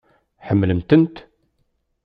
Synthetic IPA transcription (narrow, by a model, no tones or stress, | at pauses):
ħəmːləmt̪ənt̪